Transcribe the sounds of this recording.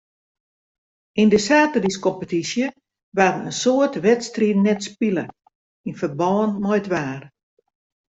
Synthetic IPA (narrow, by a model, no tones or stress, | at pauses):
ʔindəsaːtəriskɔmpətisjə | ʋadənənsoətʋɛtstrinɛtspilə | infərbɔːnmɔjdʋaːr